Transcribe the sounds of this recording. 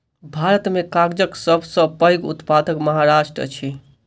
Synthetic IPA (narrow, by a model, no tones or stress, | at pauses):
bʱaɾət̪mekaɡd͡ʒəksəbʱsəpəjɡṵt̪pad̪əkməɦaɾaʃʈɾə̰t͡ʃʰi